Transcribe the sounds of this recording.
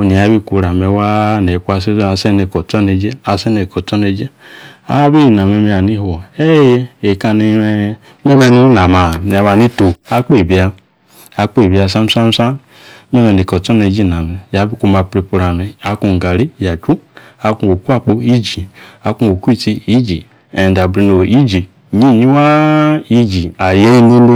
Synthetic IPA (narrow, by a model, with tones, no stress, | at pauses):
o˧˨ni˨a˨˦bi˦˨ku˧˨ɾa˨me˧wa˦ne˨ku˦a˧se˦a˧sɛ˦ne˨kɔ˨tɔ˦ne˧d͡ʒe˦a˧sɛ˦ne˨kɔ˨tɔ˦ne˧d͡ʒe˦a̰˨˦bi˦˨na˨me˧me˧a˨ni˦ho˨ɛ˦jɛ˦e˨ka˧ni˧˦e˧˦ | me˦ma˦˧ni˦na˨ma˨n˨˧wa˧ni˦to˨a˧˦k͡po˦˨bi˨˦a˧ | a˨˦k͡po˦i˨bi˧˨a˧˨sa˦m̩˦sa˦n˦sa˦ | me˦me˨i˨ko˨to˦ne˨˦d͡ʒi˦˨na˨me˨ja˨bi˦ku˦ma˨pɾi˨pu˨ɾa˨me˨a˨˦ku˨ɡa˨ɾi˦ja˨d͡ʒu˦a˨ku˦˨o˨ku˦a˦˨k͡po˦i˦d͡ʒi˨a˨˦ku˦˨o˨ku˦i˦˨ti˦i˦d͡ʒi˨ | e˨nda˨bɾi˨no˨i˦d͡ʒi˨ | ɲi˦˨ɲi˦wa˦i˦d͡ʒi˨a˨je˦i˦no˦n˦